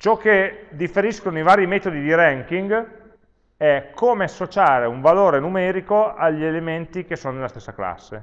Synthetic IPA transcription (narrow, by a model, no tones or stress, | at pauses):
t͡ʃɔkːed̪ifːeɾiskonoivaːɾimɛːt̪od̪id̪iɾɛŋk̟iŋɡ | ɛkʰːoːmeasːot͡ʃaːɾeuɱvaloːɾenumɛːɾikoaʎːielement̪ik̟esːoːnonelast̪esːakla̰sːḛ